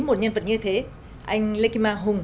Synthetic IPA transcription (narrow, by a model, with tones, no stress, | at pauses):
mo˨˩t̚ɲə˧nvə˨˩t̚ɲɨ˧t̪ʰe˨˦ | ʔa˧jŋ̟le˧ki˧maː˧ɦʊ˨˩ŋ͡m